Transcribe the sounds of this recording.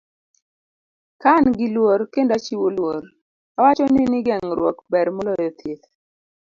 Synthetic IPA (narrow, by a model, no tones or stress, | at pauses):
kanɡɪlwoɾkendat͡ʃiwolwoɾ | awat͡ʃɔninɪɡɛŋɾwɔ̰kbɛɾmɔlɔjɔt̪ʰet̪